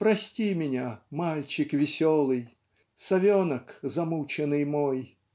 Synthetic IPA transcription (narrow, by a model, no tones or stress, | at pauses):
pɾɐsʲtʲimʲɪnʲamalʲt͡ʃɪkvʲɪsʲɔlˠɨj | sɐvʲɔnɐkzɐmut͡ʃɛnɨjmɔj